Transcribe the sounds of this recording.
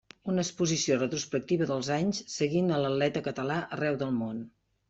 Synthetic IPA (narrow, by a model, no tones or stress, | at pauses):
unəkspuzisiorət̪ɾuspək̚t̪iβəðəlˠzaɲssəɣinələlɛt̪əkət̪əlaʔərɛwðəlˠmon